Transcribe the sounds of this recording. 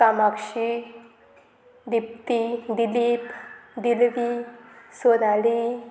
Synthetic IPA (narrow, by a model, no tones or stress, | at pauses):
kamakʂi | d̪ip̚t̪id̪ilipd̪ilʋisonali